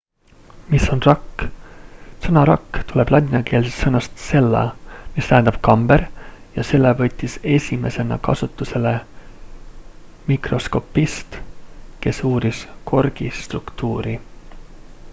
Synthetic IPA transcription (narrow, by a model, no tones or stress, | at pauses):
misːo̞nrɑkː | sɤnɑɾɑkːt̪ule̞b̥lɑnʲinɑke̞ːlsest̪sɤnɑst̪se̞lːɑ̰mist̪æɦænd̪ɑb̥kɑmbeɾjɑse̞lːevɤ̞t̪ʲːise̞sʲime̞se̞nɑ̰kɑ̰sut̪ːˑuse̞le̞ | mikro̞sko̞pːist̪ke̞suːɾiskʰo̞rɡ̥ist̪rukt̪uːɾi